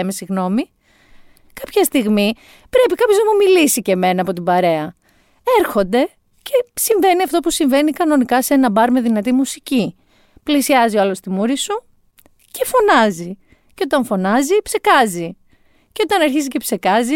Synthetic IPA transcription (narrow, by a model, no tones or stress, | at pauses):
emesiɣno̞mi | kɐpçɐst̪iɣmi | pɾe̞pikɐpço̞znɐmumilisice̞me̞nɐːpo̞t̪̬ibɐɾe̞ɐ | e̞ɾxo̞nd̪e̞ | ce̞siɱve̞niɐft̪o̞pusiɱve̞nikɐno̞nikɐse̞nɐbɐɾme̞ðinɐt̪imusici | plisiɐzioɐlo̞st̪imuɾisu | ce̞fo̞nɐzi | ceo̞t̪ɐɱfo̞nɐzipsekɐzi | ceo̞t̪ɐnɐɾçizice̞pse̞kɐzi